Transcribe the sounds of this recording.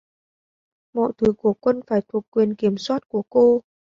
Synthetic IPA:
mɔ̰˧˨jt̪ʰu˨˦ku˧˩əkwə˧nfaː˧˩jt̪ʰu˨˩ək̚kːwi˨˩ənki˧˩əmswaː˦˥t̚ku˧˩əko˧

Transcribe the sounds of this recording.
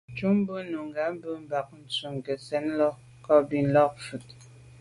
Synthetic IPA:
t͡ʃu˦m̩˦bə˦nu˨ŋ˨ɡa˨˦m̩˦bə˦m̩˦ba˨k̚n̩˦t͡su˨ŋ˨kə˨sɛ˨˦n˦lɔ˦ | kɔ˦bi˨n̩˦lɔ˦k̚fu˨t

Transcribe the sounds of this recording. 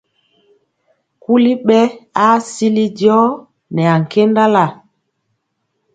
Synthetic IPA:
ku˦li˦ɓɛ˦a˦si˦li˦djɔ˦ | nɛ˨a˨ŋ̩˨ke˦nda˦la˦˨

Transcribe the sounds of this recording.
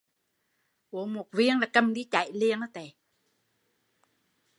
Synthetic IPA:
ʔu˨˩əmo˨˩t̚vi˧əŋlaː˨˩kə˧mɗi˧˦t͡ɕa̰˧˨jli˧ənːə˨˦t̪e˨˩

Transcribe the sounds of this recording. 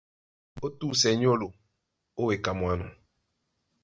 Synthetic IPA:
o˦tu˦˨sɛ˨˦ɲ˦o˦lo˨ | o˦we˨ka˨mu˨a˦nɔ̰˨

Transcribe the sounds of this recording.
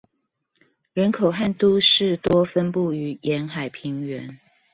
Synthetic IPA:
ɻə˧˥nkʰo˨˩ʊxa˥˨nt̪u˥ʂɻ̩˥˩˨t̪wɔ˦fə˦npu˥˩y˧˥jɛ˨˧˥nxa˨˩ɪpʰi˨˦ŋɥɛ˧˦n

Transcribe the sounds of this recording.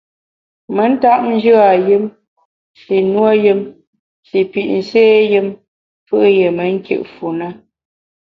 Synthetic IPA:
mə˨˦n̩˦ta˦ʔn̩˦d͡ʒɨ˦a˨jɨ˦m | si˨nwo˦jɨ˦m | si˨pi˨ʔn̩˨seː˦jɨ˦m | fɨ˦ʔje˨mə˨ŋ˦kjɨ̰˨ʔfu˨nə˦

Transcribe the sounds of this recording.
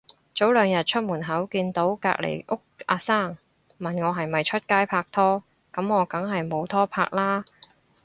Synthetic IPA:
t͡so˨˥wlœː˨˧ŋjɐ˨t̚t͡ʃʰɵ˥t̚muː˨˩nɦɐ˨˥wkiː˧nt̪o˨˥wka̰ː˧˥k̚lʔḛ˨˩jʔʊ˥k̚aː˧saː˥˩ŋ | mɐ˨˩nŋɔː˨˧ɦɐ˨jmɐ˨jt͡ʃʰɵ˥t̚kaː˥jpʰaː˧k̚t̪ʰɔː˥ | kɐ˨˥mŋɔː˨˧kɐ˨˥ŋɦɐ˨jmo˨˧wt̪ʰɔː˥pʰa̰ː˧˥k̚laː˥

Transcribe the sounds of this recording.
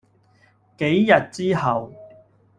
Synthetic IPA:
ke˨˥jjɐ˨t̚t͡siː˥hɐ˨w

